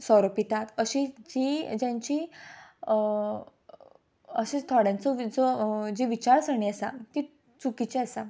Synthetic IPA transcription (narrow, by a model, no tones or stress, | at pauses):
sɔɾopit̪at̪əɕid͡ʑid͡ʑãɲt͡ɕi | əɕẽt̪ʰɔɽjãnt͡sɔd͡zɔd͡ʑiʋit͡ɕaɾsəɳiəsa̰t̪i | t͡sukit͡ɕiəsa